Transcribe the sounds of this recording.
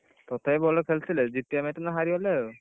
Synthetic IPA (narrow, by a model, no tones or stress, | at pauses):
tɔtʰajbɔlɔkʰɛlsilɛzitijamajtunaɦaɹiɔlɛ